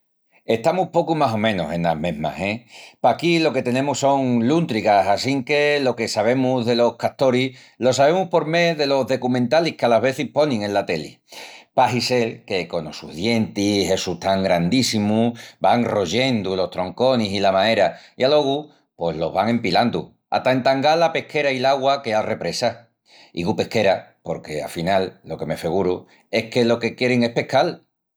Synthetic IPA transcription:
e̞ht̪amupo̞kumaso̞mẽ̞no̰sẽ̞nla̰mẽ̞ɦma̰se̞pakilo̞ke̞t̪e̞nẽ̞muso̞ŋlunt̪ɾikasasiŋke̞lo̞ke̞saβe̞muðe̞lo̞hkat̪o̞ɾi | lo̞saβe̞muhpo̞ɾme̞ðe̞lo̞ɦðe̞kumẽnt̪alihkealaɦβ̞e̞θihpo̞nẽŋẽ̞nlat̪e̞lḭ | paɦise̞lke̞ko̞no̰sṵðje̞nt̪ise̞sut̪aŋɡɾand̪isimubaŋro̞ʝe̞nd̪ulo̞ht̪ɾo̞ŋko̞nisilamãe̞ɾaialo̞ɣu | pwe̞ɦlo̞̰ɦβaŋẽ̞mpiland̪u | a̰t̪aent̪aŋɡalape̞hkʰe̞ɾailaɣwakealre̞pɾe̞sa | ḭɣupe̞hke̞ɾapo̞ɾke̞a̰finalːo̞ke̞me̞feɣ̞uɾu | e̞hke̞lo̞ke̞kje̞ɾeŋe̞hpe̞hkal

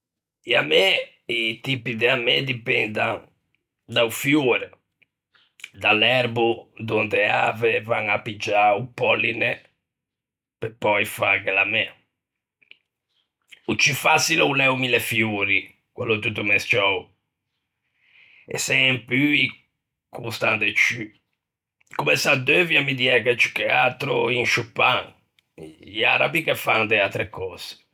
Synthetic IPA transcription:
iamːɛ | it̪ipid̪ɛamːɛd̪ipɛnd̪aŋ | d̪aufjuːɾɛ | d̪alɛɾbud̪ɔnd̪ɛa̰ːvɛvaŋapːid͡ʒːaupːɔlːinɛ | pɛpːɔjfaɣɛlamːɛ | ut͡ʃːifasiloulɛumilɛfjuːɾi | kwa̰lːot̪ut̪ːumɛst͡ʃɔw | ɛ̰sɛmpyi | kʰust̪and̪et͡ʃy | kumɛsad̪ːøvjamid̪iɛkɛt͡ʃːi̥kɛat̪ɾo̰iŋʃupːaŋ | aɾa̰bikefand̪eat̪ɾekɔːz̥e̥

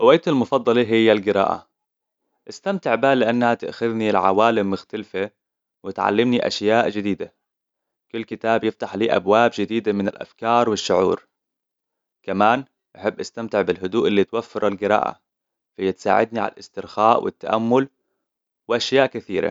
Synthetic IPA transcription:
ʔʊwajt̪almʊfɑd̪ˤːɑliɦɪjːalɡɪɾɑ̰ːʔa̰ | ʔɪst̪amt̪ɪʕbalɪʔanːhat̪ɪ̰ʔxaðnilʕa̰waːlɪmːʊxt̪alfa | wɪt̪ʕa̰lːɪmniʔa̰ʃjaːʔd͡ʒɪd̪iːd̪a | kʊlːkɪt̪aːbjɪft̪aħliːʔa̰bwaːbd͡ʒɪd̪iːd̪amɪnɪlʔa̰fkɑːɾˤwɪʃːʊʕuːɾ | kamaːn | ʔaħɪbːʔast̪amt̪ɪʕbɪlɦʊd̪uːʔɪlːit̪wafːɪɾˤʔalɡɪɾɑ̰ːʔa̰ | fhɪjːat̪sa̰ːʕɪd̪niʕa̰lʔɪ̰st̪ɪɾxaːʔwɪ̰t̪ːaʔamːʊl | wɪʔaʃjaːʔkɪθḭːɾa̰

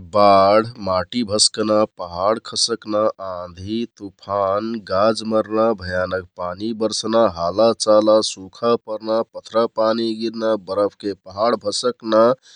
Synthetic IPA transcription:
baɽ̤maʈibʱəskənapəɦaɽkʰəsəknaãd̪ʱit̪upʰanɡad͡ʒməɾnabʱəjaːnək̚panibəɾsnaɦalat͡ʃalasukʰapəɾnapət̪ʰɾapaniɡiɾnabəɾəpʰkepəɦaɽbʱəsəkna

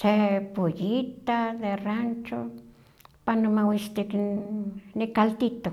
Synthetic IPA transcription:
sepujit̪aðerant͡ʃo | panomawist̪ik | nikalt̪it̪o

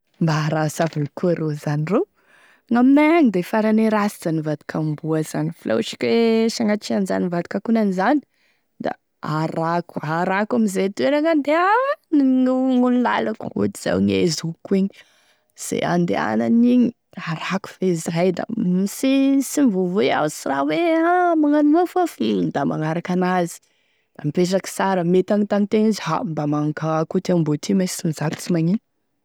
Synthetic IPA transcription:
mbaɾasavanikuaɾozaniro | ŋammaaŋid̪efaɾaneɾasizanivad̪i̥kʰambuazanifilʔa̰wʃi̥kʲeʃaŋat͡ʃianza̰nivad̪i̥kakunanizani̥ | d̪̥a̰ | aɾaku̥aɾakamizet̪eɾaŋand̪eawnuŋulula̰lakṵt̪iz̥a̰wŋḛzukueɲi | z̥ḛa̰nd̪ḛa̰naniɲi | aɾaku̥feziɾajd̪a̰misisimvuvea̰sira̰weamaŋanumafafilnd̪ama̰ŋaɾakanazi̥ | d̪̥amipeʈ͡ʂakə̥saɾəmet̪anit̪anit̪enizha̰mbamaŋkakut̪eambot̪ʰimasi̥t͡simizat̪i̥t͡simaɲi

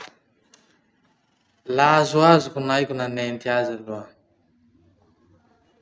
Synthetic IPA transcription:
laːzuaːzukunajkunanent̪ijaːzalua

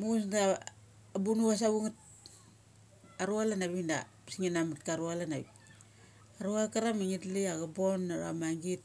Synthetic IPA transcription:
muɡusda | bunuas̬aβuŋat̚ | aɾualanaβinda̰pisiŋinamatkaɾualana̰bi | aɾuakaɾamiŋitliaɡabonːaɾa̰maŋɡit̚

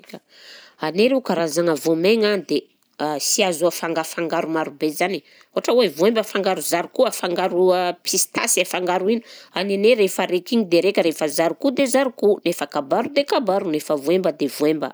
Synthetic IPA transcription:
ka | aneɾekaɾazaŋəvomeŋand̪e | asiazuafaŋɡafaŋɡaɾumaɾubezani | uaʈ͡ʂəwevuembəfaŋɡaɾuzaɾukuafaŋɡaɾuapʰist̪a̰safaŋɡaɾuinu̥aneneɾefəɾekiɲid̪eɾekʲəɾefəzaɾukud̪ezaɾukunefəkabaɾud̪ekabaɾunefəvuembəd̪evuembə̰

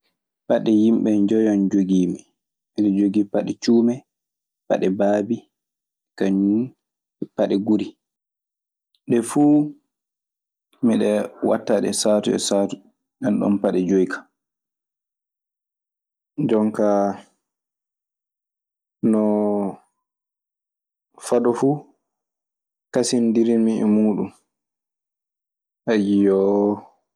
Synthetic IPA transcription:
paɗɛjimɓɛnd͡ʒɔjɔnd͡ʒoɡiːmi | miɗɛd͡ʒoɡipaɗɛt͡ʃuːmɛ | pa̰ɗɛbaːbi | kaɲum | paɗɛɡuɾi | ɗɛfuː | miɗɛwa̰tːaɗɛ̰saːtuɛ̰satu̥ | ɗɛnɗɔ̰mpaɗɛd͡ʒojkʰḁ | d͡ʒɔŋka | nɔ | faɗɔfu | kasindiɾimiɛ̰muːɗum | ʔajijɔ

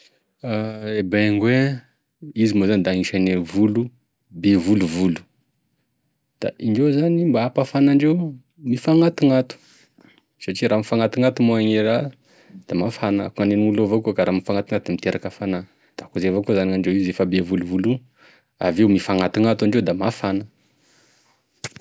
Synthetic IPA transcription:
aebeŋɡwe | izimozanid̪aŋiʃanevulu | bevuluvulu̥ | d̪̥a̰ʔiɳɖ͡ʐewzanimbaapafanaɳɖ͡ʐew | mifaŋat̪iŋat̪u̥ | saʈ͡ʂiɾamifaŋat̪iŋat̪umoaŋeɾa | d̪̥amafanaa̰kŋaneniŋulovokuokaɾamifaŋat̪iŋat̪d̪imit̪eɾʔakafana | d̪̥akuzevokuzaniaɳɖ͡ʐewizefəbevuluvulu | a̰vewmifaŋat̪iŋat̪waɳɖ͡ʐed̪amafanə

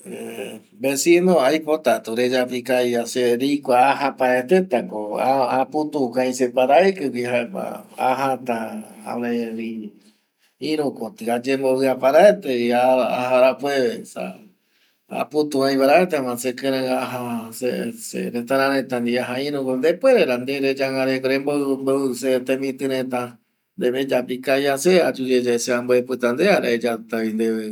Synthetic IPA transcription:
e | besinõajpot̪at̪uɾed͡ʒapikajaseɾikʷaːɦapaɾet̪et̪akoaaput̪ukãj̃sepaɾaekɨkʷihaepa̰aɦat̪aa̰meɾi | ĩɾũkot̪iad͡ʒemboβɨapaɾaet̪eiaahaɾapweβesa̰ | a̰put̪ũãjβaɾaet̪emãsekeɾãaɦasesḛɾẽt̪aɾãɾẽt̪ãnd̪iaɦaĩɾũkond̪epweɾeɾand̪eɾed͡ʒaŋaɾekoɾembomboset̪ẽmĩt̪ɨɾẽt̪ã | nd̪eβed͡ʒapɾikajasead͡ʒud͡ʒed͡ʒaeseamboepɨt̪and̪eaɾaed͡ʒat̪aind̪eβe

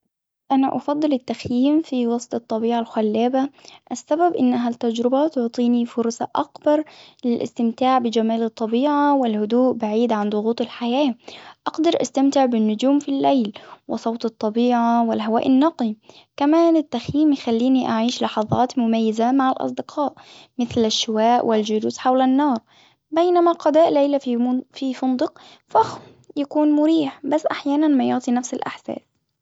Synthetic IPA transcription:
ʔanaʔɑfɑd̪ˤːɨlɪt̪ːaxjiːmfiwɑsˤt̪ˤɨt̪ˤːɑbiːʕalxʊlːaːbaʔasːababʔɪnːaɦat̪ːad͡ʒɾɪbat̪ʊʕt̪ˤiːnifʊɾsa̰ʔakbɑɾˤlɪlʔɪ̰st̪ɪmt̪aːʕbɪd͡ʒamaːlɨt̪ˤːɑbiːʕawɪlhʊd̪uːʔbaʕiːd̪ʕand̪ˤʊɣuːt̪ˤɪlħajaːʔɑɡd̪ɑɾˤʔa̰st̪amt̪ɪʕbɪnːʊd͡ʒuːmfilːejlwɪsˤɑwt̪ˤɨt̪ˤːɑbiːʕawɪlɦawa̰ːʔɪnːɑqi | kamaːnɪt̪ːaxjiːmjxalːiːniʔaʕiːʃlɑħɑðˤɑ̰ːt̪mʊmajːɪzamaʕalʔɑ̰sˤd̪ɪqʰɑːʔmɪθlaʃːʊwaːʔwʔɪld͡ʒʊɾuːsħawlanːɑːɾˤ | bejnamaqɑd̪aːʔlejlafifʊnd̪ˤɨq | fax | jakuːnmʊɾiːħbasːʔaħjaːnanmajʊʕt̪ˤinafsɪlʔa̰ħsa̰ːs

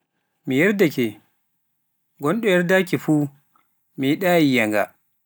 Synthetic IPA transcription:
mijɛɾdakɛ | ɡɔnɗɔjɛɾdakifuː | miɗaːjijaŋɡa̰

